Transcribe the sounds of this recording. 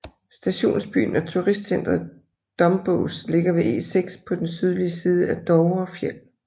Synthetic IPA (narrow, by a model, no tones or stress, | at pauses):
sd̥æɕo̝̰ːnsb̥y̰ːnɒ̽t͡sʰuʁisd̥sen̰d̥ʁɐðˠ | d̥ɒ̽mb̥ɔʊsle̝ɡ̥ɐʋe̝ʔe̝̰ːseɡ̥spʰɒ̽d̥ensyð̞ˠliəsiːð̞ˠəæd̥ɒʊɒ̽fjel̰